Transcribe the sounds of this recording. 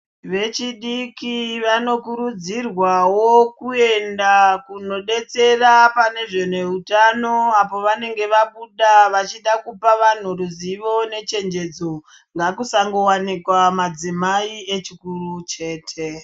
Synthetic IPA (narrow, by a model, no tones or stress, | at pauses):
ʋe̞t͡ʃiɗikiʋano̞kuɾud͡zirwawokue̞ndakuno̞ɗe̞t͡se̞rapane̞ʐene̞utano̞apo̞ʋane̞ŋɡe̞ʋaɓuɗaʋat͡ʃiɗakupaʋan̤uruziʋo̞ne̞t͡ʃe̞nd͡ʒe̞d͡zo | ŋɡakusaŋɡo̞wanikwamad͡zimaie̞t͡ʃikurut͡ʃe̞ːtʰe̞